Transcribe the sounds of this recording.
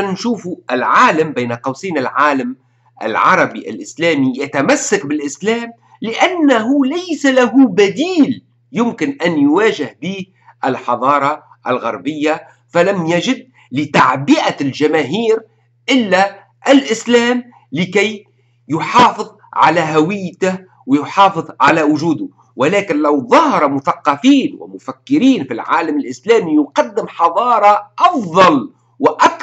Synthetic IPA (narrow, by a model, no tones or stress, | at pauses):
nʃuːfuʔɪlʕaːlambejnaqɑwsiːnɪlʕaːlam | ʔa̰lʕɑ̰ɾˤɑbiʔa̰lʔɪslæːmijat̪amasːakbɪlʔɪslaːm | lɪʔanːaɦulajsalaɦubad̪iːl | jʊmkɪnʔanjwaːʒɪhbiːh | ʔɪlħɑðˤɑːɾˤɑ | ʔalɣa̰ɾˤbɪjːa | falamjaʒɪd̪̚ | lɪt̪aʕbiʔalʒamæːɦiːɾ | ʔɪlːæ | ʔɪlʔɪslæːm | lɪkæj | jʊħɑːfɨðˤʕa̰læɦawɪjːt̪ɪh | wɪjʊħɑːfɨðˤʕa̰læwʊʒuːd̪ʊ | wɪlæːkɪnlawðˤɑhɑɾˤɑmʊθɑqːɑfiːnwɪ̰mʊfækːɪɾiːnfilʕa̰ːlamɪlʔɪslæːmijʊqɑd̪ːɪmħɑðˤɑːɾˤɑʔɑfðˤɑl | wɪʔak